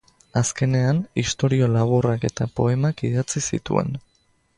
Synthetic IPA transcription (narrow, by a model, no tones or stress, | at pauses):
aske̞ne̞anist̪o̞ɾio̞laβ̞urake̞t̪apo̞e̞makiðat͡sisḭt̪ṵe̞̰n